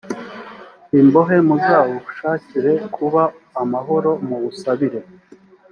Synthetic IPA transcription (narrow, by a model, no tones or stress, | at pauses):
imbo̞ɦe̞muzaːwoβuʃaːciɾe̞kʰuβaː | maɦo̞ɾo̞muβusaβiɾe̞